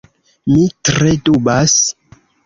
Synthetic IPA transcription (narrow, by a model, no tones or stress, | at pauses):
mitɾedubas